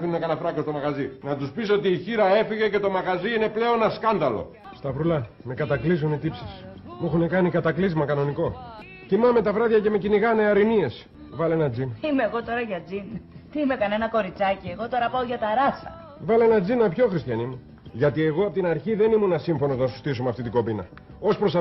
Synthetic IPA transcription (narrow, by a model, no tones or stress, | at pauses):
finunekɐnɐfɾɐkost̪o̞mɐɣɐzinɐt̪uspisot̪iːçiɾɐe̞fiʝe̞ce̞t̪o̞mɐɣɐziine̞ple̞o̞nɐskɐnd̪ɐlo̞̰ | st̪ɐvɾulɐ | me̞kɐt̪ɐklizunit̪ipsis | muexunekɐnikɐt̪ɐklizmɐkɐno̞niko̞ | t̪imɐme̞t̪ɐvɾɐðʝɐce̞me̞ciniɣɐneɐɾinie̞s | vɐle̞nɐd͡zinɐimeɣo̞t̪o̞ɾɐʝɐd͡zint̪iime̞kɐne̞nɐko̞ɾit͡sɐcie̞ɣo̞t̪o̞ɾɐpɐoʝɐt̪ɐɾɐsɐ̰ | vɐle̞nɐd͡zinɐpço̞xɾist̪çɐnimu | ʝɐt̪ie̞ɣo̞ɐpot̪inɐɾçiðe̞nimunɐsiɱfo̞no̞znɐsu̥st̪is̬umeɐft̪it̪iɡo̞binɐ̰ | o̞spɾo̞s